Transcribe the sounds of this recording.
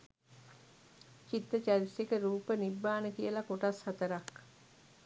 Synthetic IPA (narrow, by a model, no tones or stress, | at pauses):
t͡ʃit̪ːət͡ʃaɾisekəɾuːpənibːaːnəkijəlakoʈashɐt̪əɾak